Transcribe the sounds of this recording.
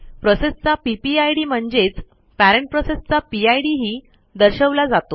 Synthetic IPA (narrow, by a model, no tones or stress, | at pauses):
pɾosest͡sapipiajɽiːm̤əɳd͡zet͡s | pæɾeɳʈ̚pɾosest͡sapiajɽiɦiː | d̪əɾɕəʋlad͡zat̪o